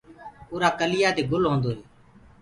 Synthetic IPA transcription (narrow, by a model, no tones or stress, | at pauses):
poːɾaːkəlɪjaːd̪eːɡʊlɦõːnd̪oːɦeː